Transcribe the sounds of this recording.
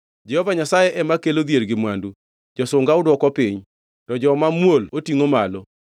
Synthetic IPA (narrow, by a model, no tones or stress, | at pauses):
d͡ʒɛhɔvaɲasajeʔɛmakelod̪jeɾɡɪmwandu | d͡ʒɔsʊŋɡaʊdwɔkɔpiɲ | tɔd͡ʒɔmamwolotiŋomalɔ